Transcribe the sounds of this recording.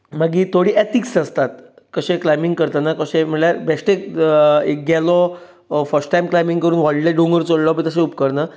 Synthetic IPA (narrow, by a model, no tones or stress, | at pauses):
maɡiːt̪ʰoɽiːʔet̪iksəst̪at̪̚ | kəɕẽklajmiŋɡkəɾt̪anakəɕẽm̤əɳɭjaɾbɛʂʈe | ekɡalɔ | fəɾsʈʈajmklajmiŋɡkəɾuːnʋɔlɖlaɖõŋɡəɾt͡soɽlɔbĩt̪əɕ̬ẽup̚kəɾna